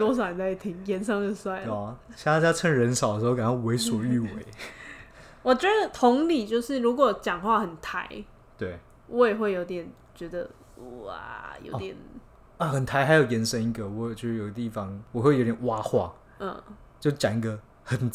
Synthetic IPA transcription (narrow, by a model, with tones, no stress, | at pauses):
t̪wɔ˥s̬a˨˩˨t͡sa˥˩ɪt̪ʰi˧˥ŋjɛ˧˥nsɑ˥ŋd̪ə˨˩swa˥˩ɪɔ˨˩ɕja˥˧ŋt̪a˥˩t͡ɕja˥ʈ͡ʂʰə˥˩ŋɻə˧˥nsɑ˨˩ʊdə˦ʂ̩˧˥o˧ka˨˩nʰa˥˩we˧˥ɪswɔ˨˩y˥˩we˨˦ɪ | wɔ˨˩t͡ɕɥɛ˧˦˥d̪ə˨t̪ʰʊ˧˥ŋli˨˩t͡ɕjo˥˧ʊʂɻ̩˥˩ɻu˧˥kwɔ˨˩t͡ɕjɑ˨˩ŋxwa˥˧xə˨˩nt̪ʰa˧˥ɪ | t̪we˥˩ɪ | wʔɔ˧˥jɛ˨˩xwe˥˩ɪjo˧˥ʊt̪̬jɛ˨˩n | t͡ɕɥɛ˧˥d̪ə̰˧ | a̰˨jo̰˧˥ʊt̪jɛ˨˩˦n | ə˧˩xə˨˩nt̪ʰa˧˥ɪxa˧ɪjo˨˩ʊjɛ˧˥nʂə˥ni˧˥ɡə˨wɔ˨˦˨t͡ɕo˥˧ʂ̩˥˩jo˨˩ʊɡə˧t̪i˥˩fɑ˦ŋwɔ˨˩xwe˥˩jo˧˥t̪jʲɛ˨˩wa˦xwa̰˥˩ | ə̰˥˩ | t͡ɕjo˥˧ʊ˥t͡ɕa˨˩ni˥˩ɡə˧ | xə˨˩n